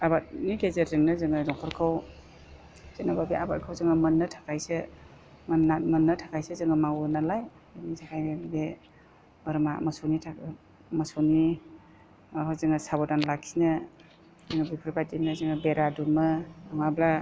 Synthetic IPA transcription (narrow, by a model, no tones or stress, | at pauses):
abat̚niɡezeɾzɯŋnɯzɯŋɯdɔŋkʰɔɾkʰaw | z̥enababiabat̚kʰawzɯŋɯmɐnːɯtʰḁkʰajse | amənːɯtʰakʰajsezɯŋɯmawunalaj | ɯnisʰakʰajbe | bɐɾmamɐsonitʰa | mɐsoni | hazɯŋɯsabɔdanlakʰinɯ | zɯŋəbipʰɯɾbadinnɯzɯŋɯbeɾadumɯaŋabla